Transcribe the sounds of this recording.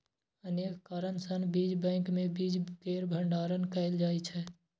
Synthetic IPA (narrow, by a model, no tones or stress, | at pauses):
əneːkkaːɾənsənbiːd͡ʒbɛ̃ːŋkmẽbiːd͡ʒkeːɾbʱə̃ɳɖaːɾənkəɪld͡ʒaːit͡ʃʰɛː